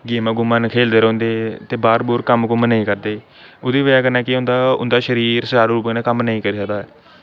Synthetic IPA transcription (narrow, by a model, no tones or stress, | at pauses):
ɡeːmãːɡʊmaːnkʰeːld̪eːɾõːnd̪eːt̪eːbaːɾbuːɾkəmkʊmənĩːkəɾd̪eː | oːd̪iːʋəjaːkənaːkɪõːnd̪aːʊ̰nd̪aːʃəɾiːɾsəd͡ʒaːɾɾuːbnẽːkəmnəĩːkəɾiːsəkd̪aːɛː